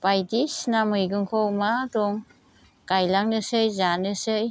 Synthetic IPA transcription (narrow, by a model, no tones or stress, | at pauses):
pajdisnamɯjɡɯŋkʰowmadɔŋ | kajlaŋnɯsɯjzanɯsɯj